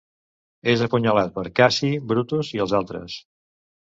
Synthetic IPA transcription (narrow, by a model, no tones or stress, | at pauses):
ezəpuɲəlat̪̚pəɾkasibɾut̪uziəlˠzalˠt̪ɾə̰s